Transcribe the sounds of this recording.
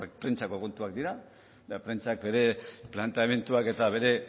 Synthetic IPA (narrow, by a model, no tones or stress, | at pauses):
kpɾent͡ʃako̞kont̪uakd̪iɾa | apɾe̞nt͡ʃak̚be̞ɾe̞plant̪eame̞nt̪uake̞t̪aβe̞ɾe̞